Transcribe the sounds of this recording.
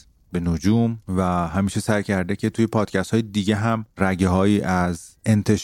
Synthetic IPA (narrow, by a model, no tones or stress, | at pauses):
be̞nod͡ʒuːmvæɦæmiːʃesæjcʰæɾd̪ecʰe̞t̪ʰujepʰɒːd̪̥̚cʰæst̪hɒːjed̪iɟeɦæmræɟeɦɒːiːʔæze̞nt̪ʰe̞ʃ